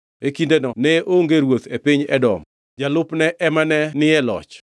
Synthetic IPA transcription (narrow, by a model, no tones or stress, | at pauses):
ekindenɔnɛʔoŋɡeɾwot̪epɪɲɛ̰dɔ̰m | d͡ʒalʊpnɛʔɛmanɛnɪɛlɔ̰t͡ʃ